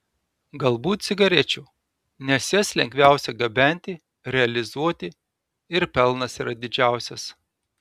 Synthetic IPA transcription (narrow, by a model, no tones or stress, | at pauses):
ɡɐlˠbuːt̪t̪sʲɪɡɐɾʲɛt͡ʃʲuː | nʲɛsʲislʲɛŋʲɡʲʋʲæˑʊsʲɛɡɐbʲɛnʲt̪ʲɪ | ɾʲɛɐlʲɪzuɔt̪ʲɪ | ɪɾpʲɛlˠnɐsiɾɐd̪ʲɪd͡ʒʲæˑʊsʲɛs